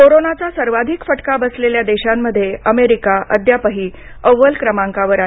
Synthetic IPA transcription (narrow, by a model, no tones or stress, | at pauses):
koɾonat͡sasəɾʋad̪ʱikfəʈkabəsleljad̪eɕamːəd̪ʱːjeəmeɾikaʔəd̪ʱjapəɦiː | əʋːəlkɾəmãŋkaʋəɾa